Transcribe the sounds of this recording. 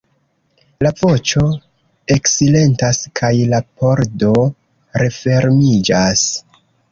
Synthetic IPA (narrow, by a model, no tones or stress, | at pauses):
lavo̞t͡ʃo̞ | e̞ksile̞ntaskʰajlapo̞ɾdo̞ | ɾe̞fe̞ɾmid͡ʒas